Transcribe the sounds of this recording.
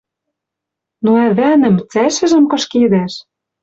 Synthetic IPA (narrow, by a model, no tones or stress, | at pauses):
noæβænɘ̆mt͡sæʃɘ̆ʒɘ̆mkɤ̆ʃked̪æʃ